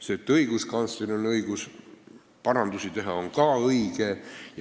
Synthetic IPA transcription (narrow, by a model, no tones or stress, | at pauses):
set̪ːˑɤiɡ̥uskɑnst̪inonɤiɡ̥us | pɑɾɑnd̪usit̪e̞ɦɑoŋkɑːɤiɡ̥ej